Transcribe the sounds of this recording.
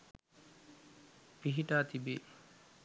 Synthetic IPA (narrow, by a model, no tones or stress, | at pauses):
piɦiʈaːt̪ibe